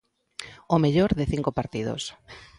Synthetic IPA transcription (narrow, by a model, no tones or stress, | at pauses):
omeʎoɾðeθiŋkopaɾt̪ið̞o̰s